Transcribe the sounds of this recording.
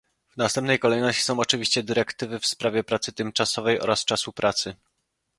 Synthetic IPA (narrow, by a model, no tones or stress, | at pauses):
vnast̪ɛmpnɛjkɔlɛjnɔɕt͡ɕi̥sɔ̃w̃ɔt͡ʂɘvʲiɕt͡ɕɛd̪ɘɾɛkt̪ɘvɘfspɾavʲjɛpɾat̪sɘt̪ɘmt͡ʂasɔvɛjʔɔ̰ɾast͡ʂasupɾʔat̪sɘ